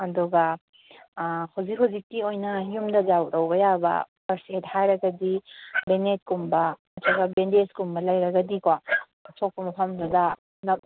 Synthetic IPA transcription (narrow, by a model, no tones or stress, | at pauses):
adɔɡa | hʰawzikhawzik̚tiojnɐjumdɐzawɾawbɐjabɐ̰pɐɾset̚hajɾɐɡɐdibenet̚kumbɐɐtʰaɡabendeskumbɐlajɾɐɡɐdika | sʰɔk̚pɐmɐpʰamdada | nap̚